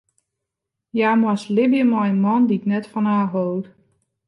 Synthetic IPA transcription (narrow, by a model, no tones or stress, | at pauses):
jaːmaslɪbjəmɔjənmɔndiknɛtfɔnaːɦowt